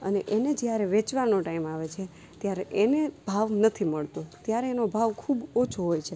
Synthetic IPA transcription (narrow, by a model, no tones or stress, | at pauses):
ə̰neʔened͡ʒjaɾeʋet͡ʃʋanoʈaimaʋet͡ʃʰe | t̪jaɾeʔeneb̥ʱaʋnət̪ʰiməɭt̪õt̪jaɾeːnobʱaʋkʰubot͡ʃʰoɦojt͡ʃʰe